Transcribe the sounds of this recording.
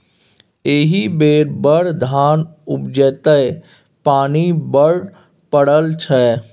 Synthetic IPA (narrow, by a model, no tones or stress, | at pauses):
eːɦibeːɾbəɾd̪ʱaːnʊpd͡ʒəːt̪əe | paːnibəɽ | pəɽəlt͡ʃʰɛː